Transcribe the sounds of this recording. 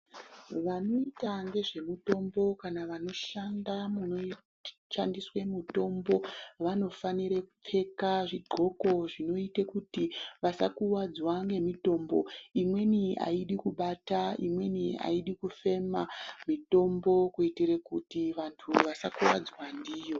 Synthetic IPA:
ʋano̞itaŋɡe̞ʐe̞mito̞mbo̞kanaʋano̞ʃandamuno | ʃandiswe̞muto̞mbo̞ʋano̞faniɾekup͡fe̞kaʐiɡ͡ǃʱo̞ko̞ʐino̞itekutiʋasakuwad͡zwaŋɡe̞mito̞ːmbo̞̰imwe̞nia̰iɗikuɓataḭmwe̞nia̰iɗikufe̞mamito̞mbo̞kuitirekutiʋantʰuʋasakuwad͡zwandiːjo̞

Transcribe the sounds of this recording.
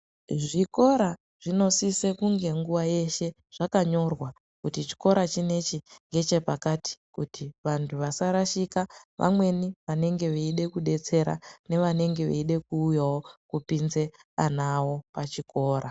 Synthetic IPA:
ʐiko̞ɾa | ʐ̥ino̞sise̞kuŋɡe̞ŋɡuʋaje̞ʃe̞ | ʐ̥akaɲo̞rwa | kutit͡ʃi̥ko̞ɾat͡ʃine̞t͡ʃiŋɡe̞t͡ʃe̞pakati̥kutiʋantʰuʋasaɾaʃikaʋʔa̰mwe̞niʋane̞ŋɡe̞ʋeiɗe̞kuɗe̞t͡se̞ɾa̰ne̞ʋane̞ŋɡe̞ʋḛiɗe̞kuːjawo̞kupinze̞anawo̞pat͡ʃiko̞ːɾa

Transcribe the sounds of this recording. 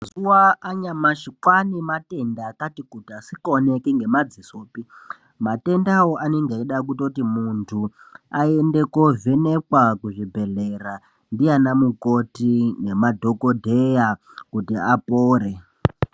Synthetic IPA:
mazuwaːɲamaʃikwanimate̞ndakatikutiasikonekiŋɡe̞mad͡zisoːpi | mate̞ndawoʔaneŋɡeiɗak̬utotimuntʰuaende̞kovene̞kwakuʐibʱe̞ɮe̞ra | ndijanamukotine̞madʱo̞kodʱeja | kutiapoːɾe

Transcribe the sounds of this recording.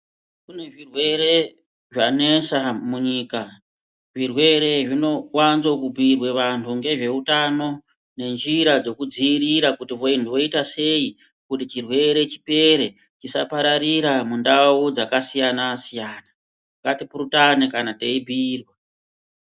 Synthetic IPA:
kune̞ʐirwe̞ɾe̞ | ʐane̞samuɲiːka | ʐirwe̞ɾe̞ʐino̞wanzokubʱirwe̞ʋantʰuŋɡe̞ʐe̞utano̞ | ne̞nd͡ʒiɾad͡zo̞kud͡ziːriɾakutiʋoindiʋo̞itase̞i | kutit͡ʃirwe̞ɾe̞t͡ʃi̥pe̞ɾe̞ | t͡ʃisapaɾaɾiɾamundaud͡zakasijanasijaːna | katipuɾutanekanate̞ibʱiːrwe

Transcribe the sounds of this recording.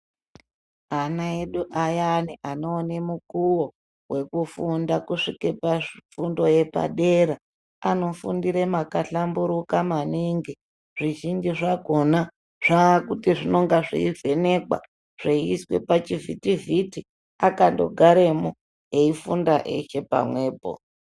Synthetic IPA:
anaeɗuʔajaniʔanoːne̞mukuwo̞ | we̞kufundakuʂikepafundo̞je̞pa̰ɗe̞ɾa | ano̞fṵndiɾemakaɬambuɾukamaniŋɡi | ʐ̥iʒind͡ʒiʐaɡʱo̞na | ʐ̥akutiʐino̞ŋɡaʐḭivʱe̞ne̞kwa̰ | ʐ̥eiswe̞̰pat͡ʃivitiviti | akando̞̰ɡʱaɾemo | je̞ifundaʔḛt͡ʃe̞pa̰mwe̞ːpo̞̰

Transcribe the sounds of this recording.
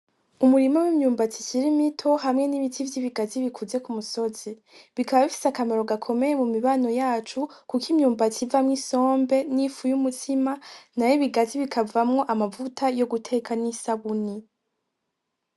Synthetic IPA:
umuɾimawimɲuːmbat͡siciɾimitʰo̞ɦamŋe̞niβitʰivjiβiɡaziβikʰuze̞kumuso̞z̥i | βikʰaβaβifi̥sakameɾo̞ɡakʰo̞me̞jemumiβaːno̞jaːt͡ʃukukimɲuːmbat͡sivamŋiso̞ːmbe̞nifujumutʰimanajiβiɡaziβikʰavamŋo̞ʔamavutʰajo̞ɡutʰe̞ːkʰanisaβuni

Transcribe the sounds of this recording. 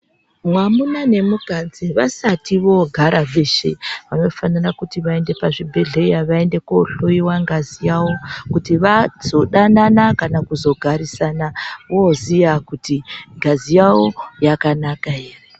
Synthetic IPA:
mwamunane̞muɡʱad͡ziʋasatiʋo̞ɡʱaɾavʱe̞ʃḛʋano̞fanirakutiʋae̞nde̞paʐibʱe̞ɮe̞jaʋae̞nde̞kouɬoiwaŋɡazijawokutiʋaz̥o̞ɗananakanakuzo̞ɡʱaɾisanaʋozijakutiŋɡazijawo̞jakanakaere

